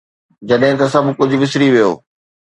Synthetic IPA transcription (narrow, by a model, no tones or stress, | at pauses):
d͡ʑɐɗɦɪ̃t̪ɐsɐbʱkʊd͡ʑʱʊ̆ʋɪsɾiʋijo̰ː